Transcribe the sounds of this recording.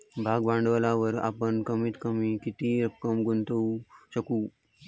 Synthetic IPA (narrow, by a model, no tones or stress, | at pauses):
bʱaɡbãɳɖʋəlaʋəɾa̰pəɳkəmiːt̪kəmiːkit̪iːɾəpkəmɡunt̪əuɕəkuː